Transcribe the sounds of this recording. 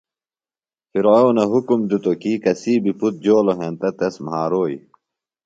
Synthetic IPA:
fiɾownɐɦukumd̪ut̪okikɐsiːbiput̪̚d͡ʑoːloɦent̪ɐt̪ɐsmɦaːɾoːḭ

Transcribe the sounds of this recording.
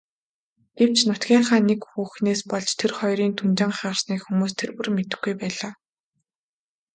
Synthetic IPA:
ɡ̥ew̥t͡ɕʰnʊt̪ɡʲiːɴχaːnekxuːxneːspɔɮt͡ɕt̪ʰerχɔjɾiːnt̪ʰunt͡ɕɪ̆ɴχaʁə̆rsniːkxumuːst̪ʰerpŭrmet̪ɘ̆xɡujpæːɮaː

